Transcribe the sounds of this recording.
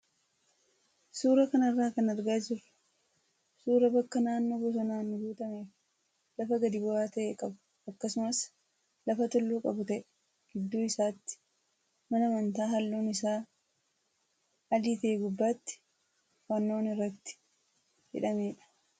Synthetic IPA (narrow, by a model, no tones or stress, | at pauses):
suːɾɐkɐnɐrːaːkɐnɐɾɡaːd͡ʒɪrɐ̥ | suːɾɐbɐkːɐnaːnːo̞ːbɔs̬ɐnaːnːɔbuːt̪ɐmeːf | lɐfɐɡɐd̪ɪbʊaːt̪ɐʔeːkʼɐbʊ̥ | ɐkːɐsʊmɐs | lɐfɐt̪ɔlːuːkʼɐbʊt̪ɐʔɛ̥ | ɡ̥ɪd̪ːuːɪsaːt̪ːɪ̥ | mɐnɐmɐnt̪aːɦɐlːoːnɪsaː | ɐliːt̪eːɡʊbːaːt̪ːɪ̥ | wɐnːo̞ːnɪrːɐt̪ːɪ̥ | hɪ̰ᶑɐmeːᶑɐ̥